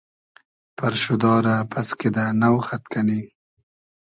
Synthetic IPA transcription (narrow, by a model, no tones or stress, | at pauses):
paɾʃʊd̪ɑɾapʰasked̪anawxat̪kani